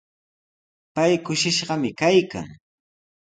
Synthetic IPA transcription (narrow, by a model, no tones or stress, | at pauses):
pajkʊʃɪʃɢɑmɪkajka̰ŋ